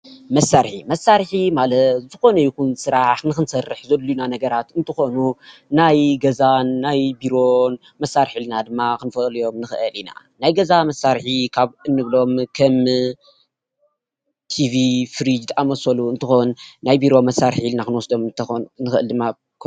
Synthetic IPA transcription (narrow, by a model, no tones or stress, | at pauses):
mɐsːaɾħḭmɐsːaɾħimalɐt̪zɨxo̞nɐjikunsɨɾaħnɨxɨnsɐrːɨħzɐd̪lujunanɐɡɐɾat̪ɨnt̪ʰɨxo̞nunajɡɐzanːajbiɾo̞ | mɐsːaɾħilɨnad̪ɨmːakɨnfɐljo̞mnɨxɨʔɨlina̰ | najɡɐzamɐsːaɾħikʰaβɨnːɨβlo̞mkʰɐm | t̪ʰivifɨɾid͡ʒt̪ʼʔamɐsɐluɨnt̪ʰɨxonːajbiɾo̞mɐsːaɾħilnakɨnwɔsd̪o̞mt̪nɨxɨɨld̪ɨmːa | k